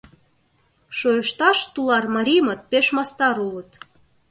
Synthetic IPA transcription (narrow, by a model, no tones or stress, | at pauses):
ʃojəʃt̪ɑʃt̪ulɑrmɑɾʲimət̪̚peʃmɑst̪ɑɾulət̪